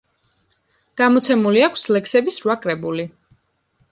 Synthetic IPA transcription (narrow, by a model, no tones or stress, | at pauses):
ɡ̥amɔt̪sʰɛmuliakʷʰslɛksɛbisɾwakʼɾɛbuli